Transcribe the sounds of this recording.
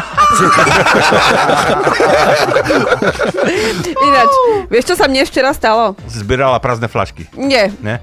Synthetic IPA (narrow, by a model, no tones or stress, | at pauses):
inat͡ʃʋɪɛʃt͡ʃɔsamɲɛft͡ʃɛɾast̪alɔsizbɪɛɾalapɾaznɛfla̰ʃkiɲɛɲɛ